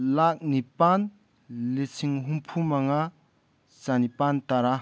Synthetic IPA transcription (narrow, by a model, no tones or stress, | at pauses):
lak̚nipan | let͡sʰiŋɦumpʰumaŋa | sanipant̪aɾa